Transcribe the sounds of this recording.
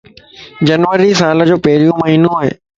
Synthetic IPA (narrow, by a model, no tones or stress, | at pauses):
d͡ʑɐnʋəɾisaːlə̆d͡ʑoːpɐɦɪɾijũmɐɦiːnũaːɦḛː